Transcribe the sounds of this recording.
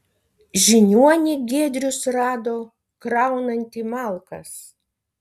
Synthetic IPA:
ʒʲɪnʲuɔnʲɪɡʲeːd̪ʲɾʲʊsɾɑːd̪oː | kɾɑˑʊnɐnʲt̪ʲimɑlˠkɐs

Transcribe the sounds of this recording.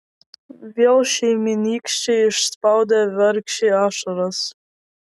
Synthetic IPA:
vʲiɛlˠʃiːmʲiniːkʃt͡ʃiiʃspawd̪ɛvɛɾkʃiaʃɔɾas

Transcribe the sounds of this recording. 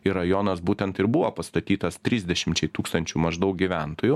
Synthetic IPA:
ɪɾɐjoːnɐsbuːt̪ʲɛnt̪ɪɾbʊʋoːpɐst̪ɐt̪ʲiːt̪ɐst̪ʲɾʲiːzʲd̪ʲɛʃʲɪmʲt͡ʃʲɛɪt̪uːkst̪ɐnʲt͡ʃʲumɐʒd̪ɐʊk̚ɡʲiʋʲæˑnt̪oːjʊ

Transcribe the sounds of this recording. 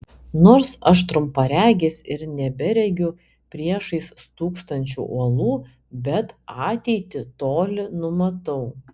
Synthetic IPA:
noːɾsɐʃt̪ɾʊmpɐɾʲæːɡʲɪsʲɪɾnʲɛbʲɛɾʲɛɡʲʊ | pʲɾʲiɛʃɐɪst̪uːkst̪ɐnʲt͡ʃʲṵːʔuɔlˠuː | bʲɛt̪ɑːt̪ʲɛɪt̪ʲɪt̪oːlʲɪnʊmɐt̪ɐʊ

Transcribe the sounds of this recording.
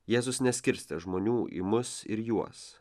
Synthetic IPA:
jeːzʊsnʲɛsʲkʲɪɾʲsʲt̪ʲɛʒmoːnʲuːʔḭːmʊsɪ̰ɾjuɔs

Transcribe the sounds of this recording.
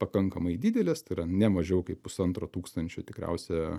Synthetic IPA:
pɐkɐŋkɐmɐɪd̪ʲiːd̪ʲɛlʲeːst̪ɐɪɾɐnʲɛmɐʒʲɛʊkɐɪppʊsɐnt̪ɾoːt̪uːkst̪ɐnʲt͡ʃʲʊt̪ʲɪkɾʲɛ̰ʊsʲɛ

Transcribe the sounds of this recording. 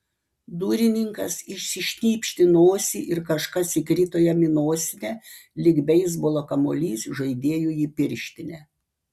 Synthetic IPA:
d̪uːɾʲɪnʲɪŋkɐsɪʃʲsʲɪʃʲnʲiːpʲʃʲt̪ʲɪnoːsʲiʔɪɾkɐʃkɐsɪkɾʲiːt̪oːjɛmʲɪnoːsʲɪnʲɛ | lʲɪɡbʲɛɪs̬bolˠoːkɐmoːlʲiːsʒɐɪd̪ʲeːjujiːpʲɪɾʲʃʲt̪ʲɪnʲɛ

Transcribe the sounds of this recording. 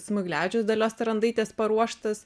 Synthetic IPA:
smʊɡlʲæːd͡ʒʲʊsd̪ɐlʲoːst̪ʲɾɐnd̪ɪt̪ʲeːspɐɾuɔʃt̪ɐs

